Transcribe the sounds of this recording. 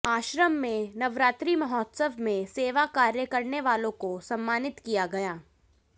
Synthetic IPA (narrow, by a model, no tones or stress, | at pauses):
aːʃɾəmːẽnɐʋɾaːt̪ɾimɐɦɔːt̪səʋʱmẽseːʋakaːɾjəkɐɾneʋaːlõkosɐ̃mːaːnɪt̪kijaɡɐjaː